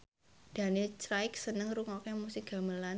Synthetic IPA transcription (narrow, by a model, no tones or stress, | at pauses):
d̥a̤nit͡ʃɾaɪksənəŋruŋɔkɛmusik̚ɡ̥a̤məla